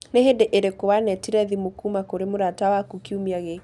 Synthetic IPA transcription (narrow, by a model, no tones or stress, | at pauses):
nehedeʔeɾekowanɛtiɾɛðimokumakoɾemoɾatawakukiumiaɣe